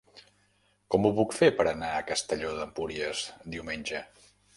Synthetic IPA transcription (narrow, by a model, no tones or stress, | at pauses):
kɔmuβukfepəɾənaəkəst̪əʎoðəmpuɾiəzd̪iwmenʲʒə